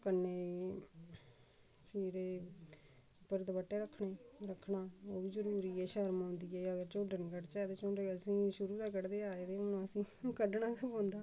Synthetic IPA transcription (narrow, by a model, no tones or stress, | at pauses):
kənːeːi | siːɾeː | ʊpːəɾd̪ebəʈːeːɾəkʰːɳeːɾəkʰːɳaːoːbiːzəɾuːɾiːɛːʃəɾmãːnd̪iːɛːəɡəɾt͡ʃõːɖənĩːkəɖt͡ʃɛːt̪eːt͡ʃõːɳɖeːəsĩːʃʊɾuːd̪aːkəɽd̪eːaːet̪eːʊnõəsĩː | kəɖɳãːkəpõːnd̪aː